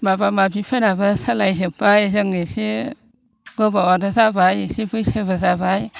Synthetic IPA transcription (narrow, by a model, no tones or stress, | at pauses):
mabamabipʰeɾabasalajzɯpːajzɯŋnisi | ɡɔbawadɔzabajsibɯjsebɯzabaj